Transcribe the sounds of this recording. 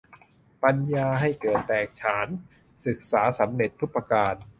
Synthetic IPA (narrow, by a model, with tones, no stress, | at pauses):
pa˧njaː˧ɦa˥˩jkɤː˨˩t̪ːɛː˨˩k̚t͡ɕʰaː˩˦˥n | sɯ˨˩k̚saː˩˦sa˩˦mne˨˩t̪̚ʰːu˦˥pːa˧kaː˧n